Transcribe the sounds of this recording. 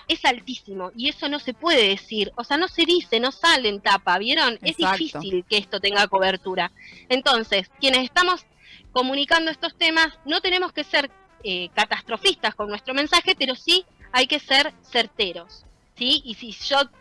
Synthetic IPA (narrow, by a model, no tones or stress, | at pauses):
e̞salt̪isimo̞ie̞so̞no̞se̞pwe̞ðeðesiɾose̞ano̞se̞ðise̞no̞saleent̪apaβjeɾo̞nezðifisilkeest̪o̞t̪e̞ŋɡako̞βeɾt̪uɾaent̪o̞nse̞skje̞neseht̪amo̞s | ko̞mũnikand̪oest̪o̞st̪e̞masno̞t̪e̞ne̞mo̞ske̞seɾ | ekat̪ast̪ɾo̞fist̪asko̞nːwest̪ɾo̞mensaxe̞pe̞ɾo̞si | ajke̞seɾseɾt̪eɾo̞sː | iisiʒ̥o̞